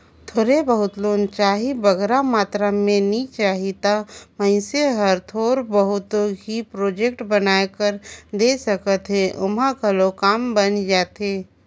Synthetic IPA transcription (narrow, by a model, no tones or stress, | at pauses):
t̪ʰoːɾebəɦʊt̪loːnt͡ʃaːɦibəɡɾamaːt̪ɾamẽnit͡ʃaːɦit̪amə̃ɪ̃seɦəɾt̪ʰoːɾbəɦʊt̪õɦipɾoːd͡ʒek̚ʈbənaːkəɾd̪eːsəkət̪ɦẽʔʊmãkəlokaːmbənd͡ʒaːt̪eː